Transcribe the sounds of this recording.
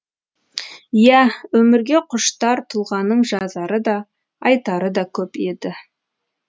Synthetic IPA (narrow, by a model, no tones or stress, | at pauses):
jæwɵmɪɾɡʲe̞qʰʊʃt̪ɑɾt̪ʰʊlˠʁɑnəɴʒɑzɑɾəd̪ɑ | ɑjt̪ɑɾəd̪ɑkʲʰɵpe̞d̪ɪ